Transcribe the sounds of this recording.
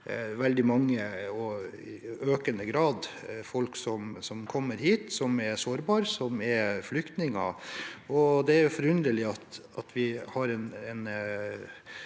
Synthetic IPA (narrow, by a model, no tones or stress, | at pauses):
ʋɛld̪ɪmɑŋːəɔ | øːkənəɡɾɑːd̪fɔlksɔmsɔmkʰɔmːəɾhiːt̪sɔmɛɾsoːɾbɑːɾsɔmɛflʏkt̪nɪŋɑ̰ɔd̪ɛæɾjʊfɔɾʉnɾəlɪɑt̪ɑt̪ʰʋɪhɑɾɛnɛn